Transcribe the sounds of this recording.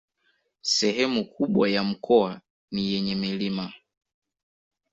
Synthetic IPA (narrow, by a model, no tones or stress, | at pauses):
sɛɦɛmukuɓwajam̩kɔa | nijɛɲɛmilima